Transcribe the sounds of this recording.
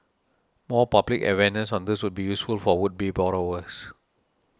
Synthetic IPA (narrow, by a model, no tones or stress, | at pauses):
mɔpablikə̰wɛnəsɔ̃ndɪswud̚bijusfulfɔwud̚bebɔɹowəs